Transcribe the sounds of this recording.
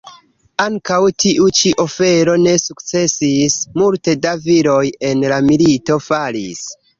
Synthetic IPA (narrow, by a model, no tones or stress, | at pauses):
aŋkawtiʔut͡ʃiʔo̞fe̞ɾo̞ne̞sukt͡se̞sismulte̞daviɾo̞je̞nlamilito̞falḭs